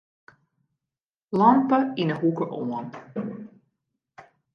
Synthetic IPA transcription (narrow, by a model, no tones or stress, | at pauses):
lɑmpəinəɦukəʔoən